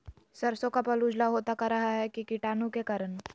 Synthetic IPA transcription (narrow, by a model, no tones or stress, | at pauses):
sɐɾsõkapɐluːd͡ʒlaɦoːt̪akaɾɐɦaɦɛkikiʈaːnũkekaɾən